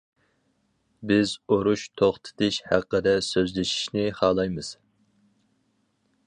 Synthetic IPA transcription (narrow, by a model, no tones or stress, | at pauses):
bɪzoɾuʃt̪ʰoχt̪ʰɨ̥t̪ʰɪʃhæ̰qːəd̪ɛsøzlɪʃi̥ʃnɪχɑːlˠɑjmɨz̥